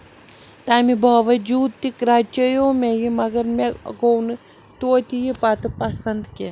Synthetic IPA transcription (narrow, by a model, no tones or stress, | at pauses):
t̪aːmibaːʋɐd͡ʒuːd̪̚t̪ikɾat͡ʃɐjoːmʲejimɐɡɐɾmeɡownɨ | t̪oːt̪ʲijipat̪ɨpɐsɐnd̪kʲe